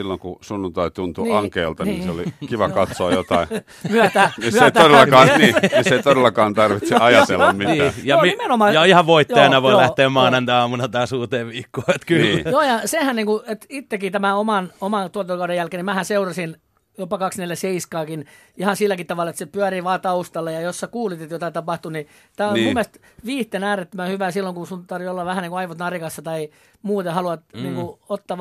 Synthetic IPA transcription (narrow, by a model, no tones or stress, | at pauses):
silːoŋkusunːunt̪ɑit̪unt̪uɑŋkeːlt̪ɑniːnseolikiʋɑkɑt̪soɑjjot̪ɑi | myæt̪æniseit̪odelːɑkɑːniːisseit̪odelːɑkɑːnt̪ɑrʋitsiɑjɑt̪elːɑmminiːæjɑimenomɑjɑihɑʋʋoit̪eɑnɑʋoilæht̪eːmmɑːnɑnt̪æɑːmunɑt̪ɑːsuːt̪eːʋʋiːkːoːet̪kynijoːjɑsehænniːŋkuet̪it̪ːekːit̪æmæomɑnomɑt̪uot̪ːokɑudejælkeːnimæhænseurɑsin | jopɑkɑksneljæseiskɑːkin | ihɑ̃nsilːækit̪ɑʋɑlɑet̪sepyæɾiʋɑːt̪ɑust̪ɑlːejɑjossɑkuːlit̪et̪jot̪ɑit̪ɑpɑht̪uni | t̪æːomummːeælst̪ | ʋiːht̪enæːret̪ːømæhyʋæsilːoŋkusunt̪ɑrʋiolːɑʋæhæniŋkoɑiʋot̪nɑrikɑsːɑt̪ɑi | muːt̪ehɑluɑt̪niːŋkuot̪ːɑː